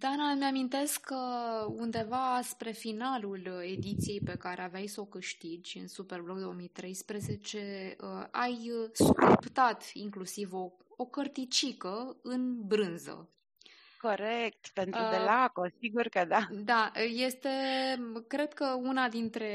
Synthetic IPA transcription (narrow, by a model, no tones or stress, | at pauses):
d̪anameamint̪e̞skːəund̪e̞vaspɾe̞finalule̞d̪it̪sijejpe̞kaɾeavajsəokɨʃt̪id͡ʒʲɨ̰nsupe̞rblok̚d̪oomijt̪ɾe̞jspɾeze̞t͡ʃe̞əajskupt̪at̪ḭŋklusivo̞ | okərt̪it͡ʃikəɨnbɾɨnzə̰ | ko̞ɾek̚t̪pe̞nt̪ɾuelakosiɡurkəd̪ad̪aje̞st̪e̞kɾe̞d̪kəunad̪int̪ɾe̞